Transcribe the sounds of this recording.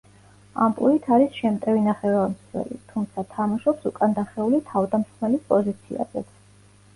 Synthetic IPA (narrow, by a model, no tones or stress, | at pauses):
a̰mpʼlˠuit̪ʰaɾisʃɛmt̪ʼɛvinaχɛvamswɛ̰lḭt̪ʰumt̪sʰat̪ʰamaʃɔpsukʼand̪aχɛulit̪ʰavd̪amsχmɛlispʼɔzit̪sʰḭa̰zɛ̰t̪